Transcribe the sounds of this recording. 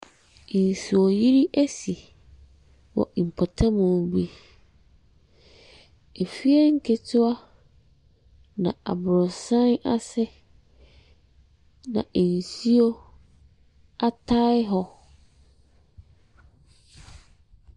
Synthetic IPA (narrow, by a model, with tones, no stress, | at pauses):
n˨su˨ɔ˨ji˦ɾi˦ʔæ˦si˨ | wɔ̰˨ʔm̩˨pʰɔ˨tʰã˦mʊ̃˨bi˦ | e˨fi˦ɛ˦ŋ̩˦kʰe˨tʰʊ˦a˦ | nã̰˨a̰˨bʊ˨ɾɔ˨sã˦na˦sɛ˦ | nã̰˨n̩˨si˦o˦ | a˦tʰa˦ɪ˦ɦɔ˦